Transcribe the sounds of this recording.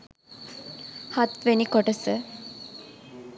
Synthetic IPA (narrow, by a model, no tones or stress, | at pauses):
hat̪ʋenikoʈəsə